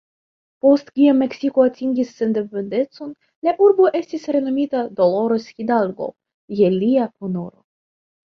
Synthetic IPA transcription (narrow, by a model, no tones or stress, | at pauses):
po̞st̪kiamːe̞ksikoatiŋɡʲisːe̞ndepend̪e̞tt͡so̞n | laʔuɾbo̞ʔe̞stisɾe̞no̞mitad̪olo̞ɾosxidalɡo̞̰ | jeliakonoɾo̞̰